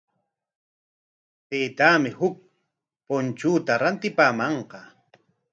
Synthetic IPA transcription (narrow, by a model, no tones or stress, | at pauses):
t̪eːt̪aːmɪhʊk̚ | pont͡ʃʊːt̪aɾant̪ɪpaːmɑɴqɑ